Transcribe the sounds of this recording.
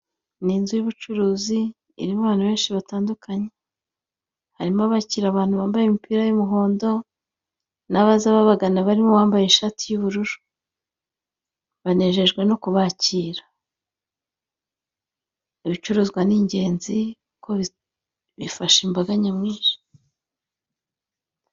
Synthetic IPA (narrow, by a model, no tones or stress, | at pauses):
niːnzujuβut͡ʃuɾuːzḭː | ɾimuβaːn̥huβe̞ːnʃiβataːndukʰaɲe̞ | haɾimaβaciːɾaβaːn̥huβaːmbajemipiːɾajumuɦo̞ːndo̞ | naβazaβaβaɡanaβaɾimoβaːmbajeʃaːtijuβuɾuɾu̥ | βane̞ʒe̞ʒɡwe̞no̞kuβaciːɾḁ | iβit͡ʃuɾuzɡwaniːɲɟe̞ːnziukʰoβi | βifaʃimbaɡaɲamŋiːʒḁ